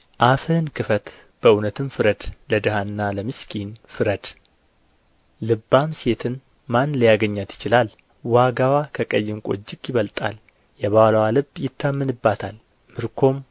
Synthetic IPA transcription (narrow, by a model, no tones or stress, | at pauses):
ʔafɨnkʰɨfət̪ | b̥əʔunət̪ʰɨnfɨɾəd̪ləd̪ɨhanːaləmɨskʰinfɨɾəd̪̥ | ɨbːamse̞t̪ʰɨn | manləjaɡəɲːat̪jɪ̥t͡ʃɪlal | waɡawakʰəkʼəjːɪmkʼo̞̰d͡ʒːɪkʼːjɪβəlt̪ʼal | jɛβawləwalɨbjɪt̪ʰːamːɨnɨbːat̪ʰal | mɨɾkʰo̞m